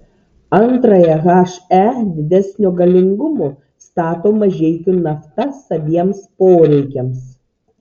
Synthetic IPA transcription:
ɐnt̪ɾɐjɛɣɑːʃæd̪ʲɪd̪ʲɛsʲnʲʊɡɐlʲɪŋɡʊmoː | st̪ɑːt̪oːmɐʒʲɛɪt̪ʲɪnɐft̪ɐsɐbʲiɛmspoːɾʲɛɪkʲɛms

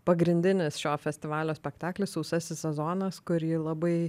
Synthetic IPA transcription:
pɐɡɾʲɪnʲd̪ʲɪnʲɪsʃʲoːfʲɛsʲt̪ʲɪʋɑːlʲoːsʲpʲɛkt̪ɑːklʲɪssɒʊsʲɛsʲɪsʲsʲɛzoːnɐskʊɾjiːlˠɐbɐɪ

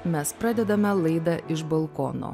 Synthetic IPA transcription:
mʲɛspɾɑːd̪ʲɛd̪ɐmʲɛlˠɐɪd̪ɐʔɪʃbɐlˠkɔ̰ːno̰ː

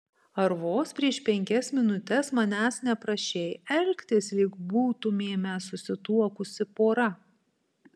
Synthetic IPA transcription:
ɐɾʋoːspʲɾʲiɛʃpʲɛŋʲkʲɛsmʲɪnʊt̪ʲɛsmɐnʲæːsnʲɛpɾɐʃʲeːjɛlʲkʲt̪ʲɪslʲɪkbuːt̪ʊmʲeːmʲɛsʊsʲɪt̪uɔkʊsʲɪpoːɾɐ

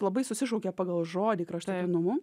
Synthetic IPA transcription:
lˠɐbɐɪsʊsʲɪʃoʊkʲɛːpɑːɡɐlˠʒoːd̪ʲiːkɾɐʃt̪ɐt̪ʲinʊmʊ

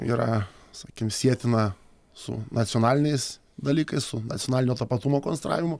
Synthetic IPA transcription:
ḭːɾɐsɑːkʲɪmsʲiɛt̪ʲɪnɐ | sʊ̰nɐt̪sʲɪonɑːlʲɪnʲɛɪs | d̪ɐlʲiːkɐɪssʊnɐt̪t͡s̪ʲonɑːlʲɪnʲoːt̪ɐpɐt̪umoːkonsʲɛt̪ɾa̰ːʋʲɪmʊ

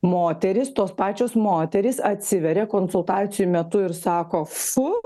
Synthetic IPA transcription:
moːt̪ʲɛɾʲɪst̪oːspɑːt͡ʃʲoːsmoːt̪ʲɛɾʲɪsɐt̪ʲsʲɪʋʲɛɾʲɛkoːnsʊlˠt̪ɑːt̪sʲɪjumʲɛt̪ʊɪɾsɑːkoːfʊ

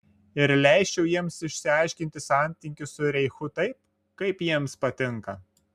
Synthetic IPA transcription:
ɪɾlʲɛˑɪʃʲt͡ʃʲɛʊjiɛmsɪʃʲsʲɪɑˑɪʃʲkʲɪnʲt̪ʲɪsɑˑnʲt̪ʲɪŋʲkʲɪsʊɾʲɛɪxʊt̪ɐɪp̚ | kɐɪpjiɛmspɐt̪ʲɪŋkɐ

